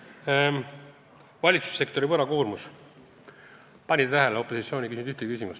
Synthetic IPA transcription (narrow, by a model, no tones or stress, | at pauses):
vɑlʲit̪su̥sːe̞kt̪o̞ɾivɤɾɑkuːrmus | pɑnʲit̪æɦeleo̞pːˑo̞sit̪sʲio̞ːnʲikysid̪yht̪ekysimust̪